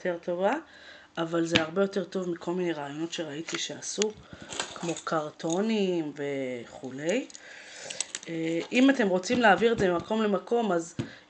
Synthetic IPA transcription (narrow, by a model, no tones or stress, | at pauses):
tʰe̞ʁto̞va | avalzeaʁbe̞jo̞te̞ʁt̪o̞vmikʰo̞lmineʁaːjo̞no̞tʃe̞ʁait̪iʃeasukmo̞kʰaʁtʰo̞nimve̞χule̞j | eʔimate̞mʁo̞t͡simleaːviʁedzememako̞mlemako̞maz